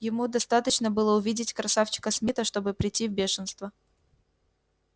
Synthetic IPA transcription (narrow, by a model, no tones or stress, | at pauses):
jɪmud̪ɐst̪at̪ət͡ɕnəbɨlˠəʊvʲidʲɪtʲkɾɐsaft͡ɕɪ̥kəsmʲɪt̪əʂt̪o̞bɨpɾʲɪtʲːivbʲeʂɨnst̪və